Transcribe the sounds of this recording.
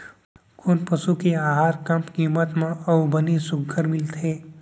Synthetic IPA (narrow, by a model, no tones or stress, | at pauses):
kʊnpɐʃukeaːɦaːɾkɐ̃mpkiːmət̪mẽɐʋbənisʊɡʱəɾmɪlt̪ʰeː